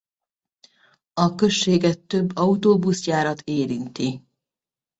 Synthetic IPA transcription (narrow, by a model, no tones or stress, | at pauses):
ɒkø̞ʃːeːɡɛt̪ːøbːɒut̪oːbusjaːɾɒt̪eːɾint̪i